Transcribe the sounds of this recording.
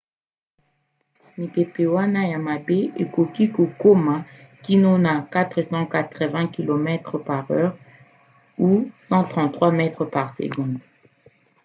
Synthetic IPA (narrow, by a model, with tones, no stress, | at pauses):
mi˨pe˨pe˨wa˦na˦ja˨ma˨be˦e˨ko˨ki˦ko˨ko˦ma˨ | ki˦nɔ˦na˨ka˦t̪χə˨sɑ̃˦ka˨t̪χə˨vɛ̃˦ki˨lo˨mɛ˦t̪χəpa˨ʁœ˦ʁ | u˦sɑ̃˦t̪χɑ̃˨t̪χwa˦mɛ˦t̪χəpa˨ʁsḛ˨ɡɔ̃d̪